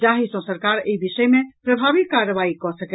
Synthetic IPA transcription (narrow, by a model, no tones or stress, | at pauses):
d͡ʒaɦisə̃səɾkaɾeibisəjmepɾəbʱabik̚kaɾəbaikɔsək